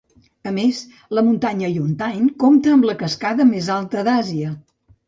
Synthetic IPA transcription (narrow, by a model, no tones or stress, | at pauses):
əmes | ləmunt̪aɲəjunt̪ajnkomt̪əːmləkəskaðəmezalˠt̪əd̪aziə